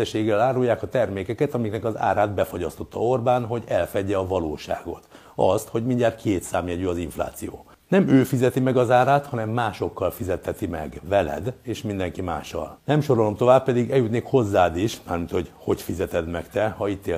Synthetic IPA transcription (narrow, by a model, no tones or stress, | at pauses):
ɛʃeːɡːɛlaːɾujaːkɒt̪ɛrmeːkɛkɛt̪ɒmiknɛkɒza̰ːɾaːd̪bɛfo̞ɟɒst̪o̞t̪ːɒ̰o̞rbaːnɦo̞ɟɛlfɛɟɛɒvɒloːʃa̰ːɡo̞̰t̪ | ɒ̰st̪ho̞ɟmiɲɟaːrkʰeːt̪saːmjɛɟyɒziɱfla̰ːt̪sijo̰ː | nɛmøːfizɛt̪imɛɡɒzaːɾaːt̪hɒnɛmːaːʃo̞kːɒlfizɛt̪hɛt̪imɛ̰ɡvɛlɛ̰d̪eːʃmind̪ɛŋkima̰ːʃɒ̰lnɛmʃo̞ɾo̞lo̞mt̪o̞vaːppɛd̪iɡɛjut̪neːkho̞zːaːd̪iʃmaːrmint̪ho̞ɟho̞ɟfizɛt̪ɛd̪mɛkt̪ɛhɒit̪ːeː